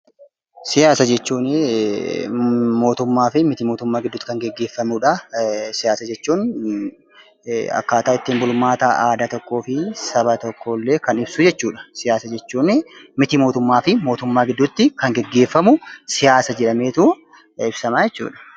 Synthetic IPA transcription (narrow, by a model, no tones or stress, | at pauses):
sɪjaːsɐd͡ʒɛt͡ʃːuːn | mo̞ːt̪ʊmːaːfɪmɪt̪imo̞ːt̪ʊmːaːɡɪd̪ːʊt̪ːɪ̥kɐŋɡɛɡːe̞ːfːɐmuᶑɐsɪjaːsɐd͡ʒɛt͡ʃːuːn | ɐ̰kːaːt̪aːɪt̪ːiːmbʊlʊmːaːt̪ɐʔaːd̪aːt̪ɔkːo̞ːfɪsɐβɐt̪ɔkʰːoːlːe̞ːkɐnɪb̥sʊd͡ʒɛt͡ʃːuːᶑɐ̥sɪjaːsɐd͡ʒɛt͡ʃːuːnɪmɪt̪imo̞ːt̪ʊmːaːfɪmo̞ːt̪ʊmːaːɡɪd̪ːʊt̪ːɪkɐŋɡɛɡːe̞ːfːɐmʊsɪjaːsɐd͡ʒɛᶑɐmeːt̪u | ɪbsɐmaːd͡ʒɛt͡ʃːṵːᶑɐ̥